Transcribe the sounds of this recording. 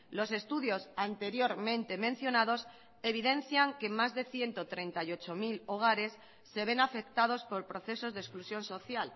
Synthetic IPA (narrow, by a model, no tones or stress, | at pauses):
lo̞se̞st̪uðjo̞sant̪e̞ɾjo̞ɾmẽ̞nt̪e̞mẽ̞n̟θjo̞naðo̞s | e̞β̞iðe̞n̟θjaŋke̞mazðe̞θje̞nt̪ot̪ɾe̞nt̪ajo̞t͡ʃo̞miloɣ̞aɾe̞sː | e̞β̞e̞nafe̞kt̪að̞o̞spo̞ɾpɾo̞θe̞so̞zðesklusjo̞nso̞θjal